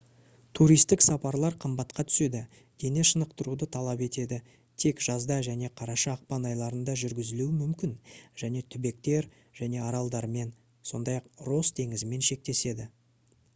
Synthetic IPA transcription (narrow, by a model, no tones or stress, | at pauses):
t̪ʰuɾijst̪ɪksɑpɑɾlˠɑɾqʰəmbɑt̪qʰɑt̪ʰʏ̥se̞d̪ɪ | d̪̥e̞ne̞ʃənəq̚t̪əɾud̪ət̪ʰɑlˠɑpe̞t̪e̞d̪ɪ | t̪ʰe̞kʒ̥ɑzd̪ɑʒæne̞qʰɑɾɑʃɑːq̚pɑnɑjlˠɑɾənd̪ɑʒʏɾɡʲɪzɪluɪmʏmkʲɪnʒ̥æne̞t̪ʰʏbe̞k̚t̪e̞ɾ | ʒ̥æne̞ɑɾɑlˠd̪ɑɾme̞n | so̞̰nd̪ɑjɑqro̞st̪ʰe̞ŋɪzɪme̞nʃe̞k̚t̪e̞se̞d̪ɪ